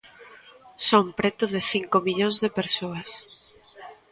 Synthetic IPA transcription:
sompɾet̪ʊðɪθiŋkomiʎõŋzðepeɾsoɐs

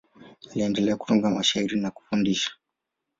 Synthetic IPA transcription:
liɛndɛlɛaku̥tuŋɡamaʃaiɾinaku̥fundiʃḁ

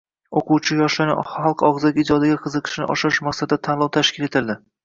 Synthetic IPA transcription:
oquwt͡ʃʰɪjɒʃlanɪ̰χɑlˠqɒʁzɪkʲɪd͡ʒɒd̪aɡʲaqʰɨzɨqʰɨ̥ʃɪnɪ̰ʔɒ̰ʃɪɾɪʃmaqsad̪ɪd̪at̪ʰanlˠɒwt̪ʰaʃkʲɪle̞t̪ʰɪld̪ɪ

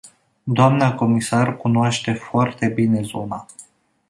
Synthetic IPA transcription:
d̪oamnəko̞misarkunoaʃt̪e̞foart̪e̞bine̞zona

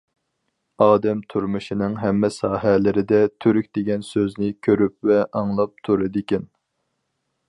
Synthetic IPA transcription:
ɑːd̪ɛmt̪ʰuɾmɨʃinɨŋɦɛmːɛsɑːɦɛlɪɾɪd̪ɛt̪ʰyɾykʲd̪̥eɡʲɛnsøznɪkʲʰøɾyp̚vɛʔɑŋlˠɑp̚t̪ʰuɾɨd̪ɪkʲɛn

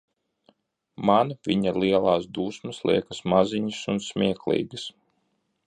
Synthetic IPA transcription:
manvʲiɲalˠiɛlˠɑːsd̪uːsmɐslˠḭɛkasmaziɲisunsmʲiɛklˠḭːɡɨs

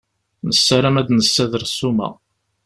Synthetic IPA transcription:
nəsːaɾæmæd̪nəsːæðəɾsumæ̰

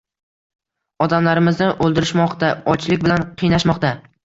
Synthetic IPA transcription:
ɒd̪amlaɾɪmɪznɪʔolˠd̪ɪɾɪʃmɒqt̪aɒt͡ʃlɪkʲbɪlanqʰɨjnaʃmɒqt̪a

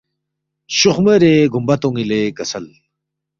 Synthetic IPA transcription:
ɕuχmeɾeɡumbɐt̪oŋileɡɐsɐl

